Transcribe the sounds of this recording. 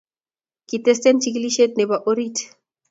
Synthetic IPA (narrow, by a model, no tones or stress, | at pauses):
kit̪est̪ent͡ʃik̬liʃet̪̚nebaʔoɾit